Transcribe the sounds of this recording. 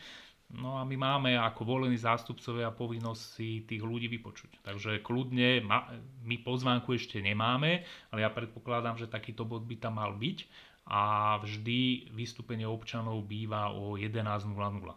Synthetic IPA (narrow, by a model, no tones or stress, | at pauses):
nɔamimaːmɛakɔʋɔlɛniːzaːst̪upt͡sɔʋɪaapɔʋinːɔssit̪iːɣluɟiːʋipɔt͡ʃu̥ct̪aɡʒɛklud̪ɲɛmamipɔzʋaːŋkuɛʃcɛɲɛmaːmɛalɛjapɾɛt̪̚pɔklad̪amʒɛt̪akiːt̪ɔbɔd̪̚bit̪amːalbic | ʔavʒd̪iʋist̪upɛɲɪɛɔpt͡ʃanɔʊbiːʋaɔjɛd̪ɛnaːznulanula̰